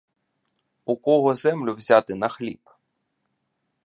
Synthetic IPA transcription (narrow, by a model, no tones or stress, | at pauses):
ukɔɦɔzɛmlʲʊwzʲat̪ɪnɐxlʲip